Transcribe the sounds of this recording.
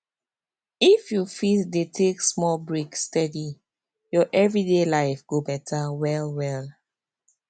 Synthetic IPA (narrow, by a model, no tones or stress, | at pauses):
ifjufitdetʰeksmɔlbɹikstɛdi | jɔʔɛvɹidelaɪfɡ̥obɛtʰawɛlwɛl